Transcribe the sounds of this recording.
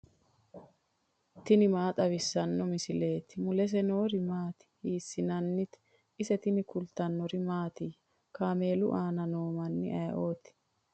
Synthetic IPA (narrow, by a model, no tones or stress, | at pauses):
t̪ɪnɪmaːt̪ʼɐβɪsːɐnːɔmɪsɪle̞ːt̪ɪmʊlɛs̬ɛno̞ːɾɪmaːt̪ɪ̥hiːsːɪnɐnːɪt̪ | ɪsɛt̪ɪnɪkʊlt̪ɐnːɔɾɪmaːt̪ɪ | kaːme̞ːlʊ̰ʔaːnɐnoːmɐnːɪ̰ʔɐjʔo̞ːt̪ɪ̥